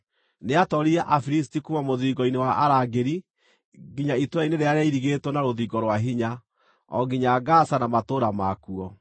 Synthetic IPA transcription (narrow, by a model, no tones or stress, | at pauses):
neatɔɾiaʔafiɾis̬tikumamoðiːɡɔinewaʔaɾaɡeɾi | ɡiɲaitwaineɾeaɾeaiɾiɣetwɔnaɾoðiːɡɔɾwaɦiɲa | ɔ̰ɡiɲaɡasanamatoːɾamakuɔ